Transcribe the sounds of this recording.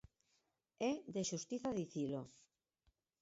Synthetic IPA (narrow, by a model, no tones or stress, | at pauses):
ɛðeʃust̪iθaðiθilo